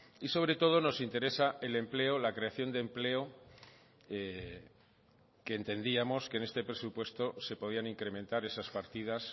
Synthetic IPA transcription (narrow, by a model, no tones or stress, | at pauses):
iso̞βɾe̞t̪o̞ð̞o̞no̞sint̪e̞ɾe̞saʔe̞le̞mple̞olakɾe̞aθjo̞nd̪emple̞o | e | keːnt̪e̞nd̪iamo̞skene̞st̪e̞pɾe̞supwe̞st̪o̞se̞po̞ð̞ianiŋkɾe̞mẽnt̪aɾe̞saspaɾt̪iðas